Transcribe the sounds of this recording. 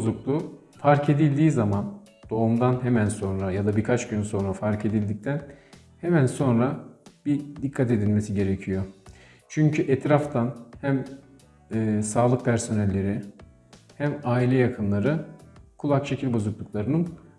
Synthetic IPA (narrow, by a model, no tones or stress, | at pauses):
bozuklˠu | faɾcʰe̞d̪ilʲd̪iːzamand̪̥o̞umd̪anɦemænso̞nɾajad̪abiɾkʰat͡ʃɟynso̞nɾafaɾcʰe̞d̪ilʲd̪ic̚t̪ʰæn | hemænso̞nɾabid̪ikʰːat̪e̞d̪ilʲme̞siɟe̞ɾecʰijo̞ | t͡ʃʰyɲcʰyʔɛt̪ɾaft̪ʰanhæmː | saːlˠɯk̚pʰæɾso̞nɛlʲːe̞ɾɪ | hæmaːilʲɛjakʰɯnlˠaɾɯkʰulˠakʃe̞cʰilʲbo̞zuklˠuklˠaɾɯnɯn